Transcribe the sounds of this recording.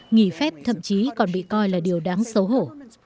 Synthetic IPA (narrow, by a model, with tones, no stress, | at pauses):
ŋi˧˩fɛ˦˥p̚t̪ʰə̰˧˨mt͡ɕi˨˦kɔ˨˩nɓḭ˧˨kɔ˧jlaː˨˩ɗi˨˩əwɗaː˨˦ŋsə˨˦wɦo˧˩